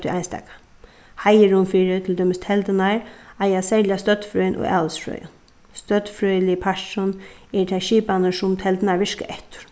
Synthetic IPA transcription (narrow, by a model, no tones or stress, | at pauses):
t̪ʰːʔajnst̪ɛ̰ːkḁ | hajɪɾʊmfiːɾɪt̪ʰɪld̪ɔːmɪst̪ʰɛlt̪ɪnaɹajasɛjljast̪œt̪fɾœjnʔʊ̰ɣa̰ːləsfɾœ̰ːjʊ̰n | st̪œt̪fɾœːjlɪpʰaʂʃʊnɛɹt̪ʰaʃiːpanəsʊmt̪ʰɛlt̪ɪnaɹʋɪʂka̰ʔɛht̪ʊ̥ɹ̥